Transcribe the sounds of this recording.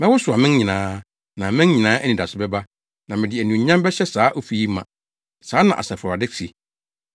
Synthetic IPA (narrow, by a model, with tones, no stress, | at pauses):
mɛ̃˦wʊ˦sʊ˨a˨mɪ̃˦n˦ɲĩ˨nãː˦ | nã˨mɪ̃˦n˦ɲĩ˨nãː˦ʔæ˦nĩ˨da˨sʊ˨bɛ˦ba˦ | nã˨mɪ̃˨dɪ˨æ˨nũ˨˦ɲã˦m˦bɛ˦ɕɛ˦saː˨˦ʔo˦fi˨ji˦mːã̰˨ | saː˨˦nã˨ʔa̰˨sɛ˨fa˨dɪ˦si˨